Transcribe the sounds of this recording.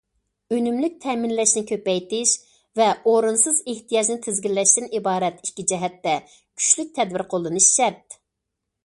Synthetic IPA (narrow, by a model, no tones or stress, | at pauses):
ønymlyk̚ʲt̪ʰɛmɪnlɛʃnɪkʲʰøpɛjt̪ɪʃ | vɛoɾunsɨzeht̪ijɑd͡ʒnɪt̪ʰɪzɡʲilːɛʃt̪ɪnibɑːɾɛt̪ikʲːid͡ʒɛɦɛt̪ːɛ | kʲʰy̥ʃlyk̚ʲt̪ʰɛd̪bɪɾqʰolˠːɨnɨʃʃɛt̪